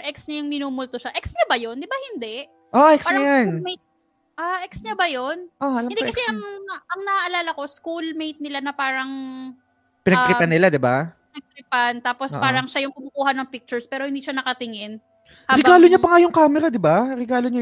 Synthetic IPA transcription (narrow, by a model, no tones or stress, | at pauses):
ʔɛksɲɐjʊŋmɪnuːmʊlt̪oʃaʔɛksɲɐbɐjo̞nd̪ɪbahɪnd̪ɛʔ | ʔoʔʔɛksaɾɐajanmejt̪̚ | ʔaʔɛksɲɐbɐjo̞nʔoɐlɐmɪnd̪ɛkɐsɛʔɐŋʔɐŋnɐaʔɐlaːlɐko̞skulmejt̪̚nɪlanɐpaːɾɐŋ | pɪnɐt̪ɾɪpanːɪlad̪ɪbapɪnɐɡ̚t̪ɾɪpant̪aːpo̞saːɾɐŋʃajʊŋkʊmʊkuːhɐnɐŋpik̚t͡ʃʊɹspɛːɾo̞hɪnd̪iːʃɐnɐkɐt̪ɪŋɪn | haɾːɛbɡaːloɲapɐŋajʊŋkaːmɛɾad̪ɪbaɾɛɡaːloɲa